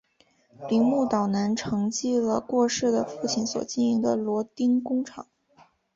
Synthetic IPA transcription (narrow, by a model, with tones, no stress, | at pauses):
li˧˥ŋmu˥˩t̪ɑ˨˩ʊna˧˥nʈ͡ʂʰɤ˧˥ŋt͡ɕi˥˩lə˩kwɔ˥˧ʂɻ̩˥˩d̪ə˩fu˥˩t͡ɕʰi˧˥nswɔ̰˨˩t͡ɕi˥˩ni˧˥ŋd̪ə˧lwɔ˧˥t̪i˥nkʊ˥ŋʈ͡ʂʰɑ˨˩˦ŋ